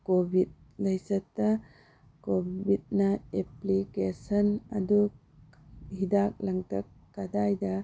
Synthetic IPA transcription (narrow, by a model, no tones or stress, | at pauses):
kobʱit̚ | lɐjsɐtːɐ | kobit̚nɐeplikesɐnɐ̰du | hidak̚lɐŋtɐkːadajdɐ